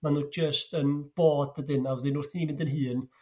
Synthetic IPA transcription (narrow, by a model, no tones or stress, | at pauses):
manuːd͡ʒəstənb̥oːdədɪnavəðɪnuːrθiːmɪndənɦɨːn